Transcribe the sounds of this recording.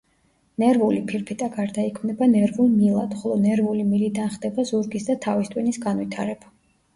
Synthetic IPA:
nɛɾvulipʰiɾpʰit̪ʼaɡaɾd̪aikʰmnɛbanɛɾvulˠmilˠa̰d̪̥χɔlˠɔnɛɾvulimilid̪anχd̪ɛbazuɾɡisd̪at̪ʰavist̪ʼwinisɡanvit̪ʰa̰ɾɛb̥a

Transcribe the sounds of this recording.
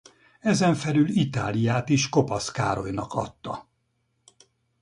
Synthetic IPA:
ɛzɛɱfɛlylit̪aːlijaːt̪iʃko̞pɒska̰ːɾo̞jnɒkʰɒ̰t̪ːɒ

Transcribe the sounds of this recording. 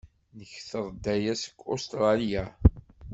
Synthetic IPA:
nəçθəðˤd̪æjæsə̥kːost̪ɾˤɑljæ

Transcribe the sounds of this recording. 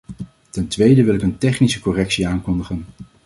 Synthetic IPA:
tɛntʋejdəʋɪlɪkəntɛχnisəkɔrɛksiaːŋkɔndəχən

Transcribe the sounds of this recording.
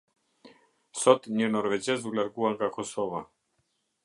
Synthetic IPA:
sɔt̪ɲɛnɔɾvɛd͡ʑɛzulʲaɾɡuaŋkakɔsɔva

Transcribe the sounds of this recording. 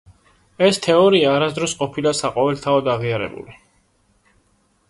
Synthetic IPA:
ɛst̪ʰɛɔɾiaːɾasd̪ɾɔsqʼɔpʰilasaqʼɔvɛlt̪ʰaɔd̪aʁiaɾɛ̰bṵli

